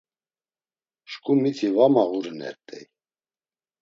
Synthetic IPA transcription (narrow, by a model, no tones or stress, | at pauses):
ʃkʼumit̪ʰivamaɣuɾənɛ̰ɾt̪ʼɛ̰j